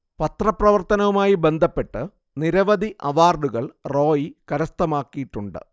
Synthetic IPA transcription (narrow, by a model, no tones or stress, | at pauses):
pɐt̪rɐprɐʋɐrt̪ɐnɐʋumaːjibe̞nd̪ʱɐpːe̞ʈːɨ | niɾɐʋɐd̪iʔɐʋaːrɖuɣɐɭro̞ːjikɐɾɐst̪ɐmaːkːijiʈːuɳɖɨ̰